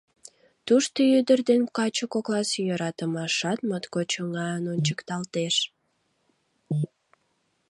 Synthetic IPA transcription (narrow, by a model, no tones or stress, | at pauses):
t̪uʃt̪əjyd̪ərd̪enkɑt͡ɕəkoklɑsjøɾɑt̪əmɑʃɑt̪mət̪kot͡ɕəŋɑənonʲt͡ɕəkt̪ɑlt̪eʃ